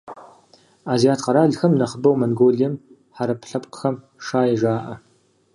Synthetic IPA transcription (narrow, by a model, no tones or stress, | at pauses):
aːzijaːtʰqɐɾaːɮxɐmnɐχəbɐwmɐnɡoːɮijɛm | ħaɾɐpɬɐpqə̥xɐm | ʂaːjɛʒaːʔɐ